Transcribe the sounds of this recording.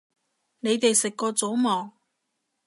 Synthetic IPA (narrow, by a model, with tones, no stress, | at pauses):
ne˨˧jt̪e˨jsɪ˨kːɔː˧t͡so˨˥wmɔː˨˩ŋ